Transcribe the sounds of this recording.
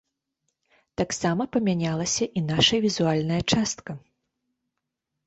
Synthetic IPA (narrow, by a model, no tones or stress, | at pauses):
t̪aksamɐpɐmʲanʲalˠɐsʲɐʔinaʂɐvʲizualʲnɐjɐt͡ʂast̪kɐ